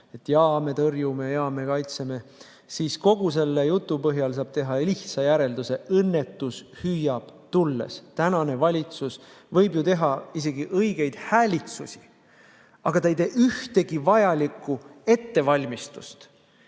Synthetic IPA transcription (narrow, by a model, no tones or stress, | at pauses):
e̞t̪ːˑjɑːme̞t̪ɤrjumejɑːme̞kɑjt̪se̞me | siːsko̞ɡ̥use̞lːejut̪ːˑupɤɦjɑls̬ɑːb̥̚t̪e̞ɦɑeliht̪sɑjæɾe̞ld̪use̞ɤnːe̞t̪ːˑushyjɑb̥t̪ulːe̞̰st̪ænɑne̞vɑlʲit̪susvɤjbjut̪e̞ɦɑise̞ɡ̥iʔɤ̞jɡ̥e̞jd̪̥hæːlʲit̪susʲi̥ | ɑɡ̥ɑt̪ɑejt̪e̞ːʔyht̪e̞ɡ̥ivɑjɑlʲikːˑue̞t̪ːe̞vɑlʲmist̪u̥st̪